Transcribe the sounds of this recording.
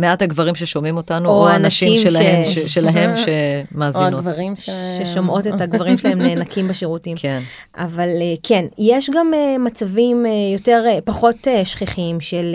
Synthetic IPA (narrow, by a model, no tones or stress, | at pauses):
meathaɡvaʁimʃeʃomimo̞tanuooaːnaʃiimʃelaemʃelaɦemʃemaːzinoviʃeʃomʔo̞tethaɡvaʁimʃelaemneːmnakimbeʃeʁutimken | ʔavalekʰe̞njeʃɡamemat͡savimjo̞te̞ʁpaχo̞teʃχiχimʃel